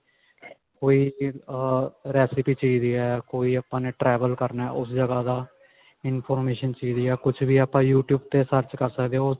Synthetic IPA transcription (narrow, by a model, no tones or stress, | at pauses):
koːiː | ɾɛːsɪpiːt͡ʃiːziɛːkoːiːaːpãːneːʈɾɛːʋəlkəɾnaɛ̰ʔʊsd͡ʒəɡaːd̪aː | ɪnpʰɔːɾmeːʃənt͡ʃiːziːɛːkʊt͡ʃʰbiːaːpãːjuːʈjuːb̚t̪eːsəɾt͡ʃkəɾsəkd̪eo